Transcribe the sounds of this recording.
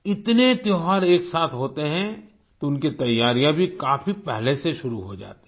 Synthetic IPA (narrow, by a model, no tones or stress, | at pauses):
ɪt̪net̪joɦaɾeːksaːt̪ʰɦoːt̪eɦɛ̃ | t̪oʊnket̪ɐjːaːɾijãbʱikaːfipɛɦleseʃʊɾuɦod͡ʒa̰ːt̪e̥